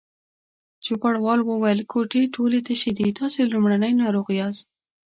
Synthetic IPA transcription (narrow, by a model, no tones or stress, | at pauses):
d͡ʒupaɽwɑlwəwajəlkʰoʈeʈʰolet̪aʃid̪it̪ʰɑselumɽanəjnɑɾoɣiɑst̪̚